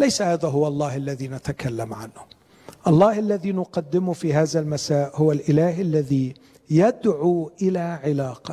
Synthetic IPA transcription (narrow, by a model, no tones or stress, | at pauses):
lajsahaːðaɦʊwaɑlˤːɑːhalːaðiːnat̪akalːamʕa̰nhʊ | ʔɑlˤːɑːhʔalːaðiːnʊqɑd̪ːɪmʊfiːɦaːðalmasaːʔhʊwalʔɪlaːɦʔalːaði | jad̪ʕuʔɪlaːʕɪlaːqɑ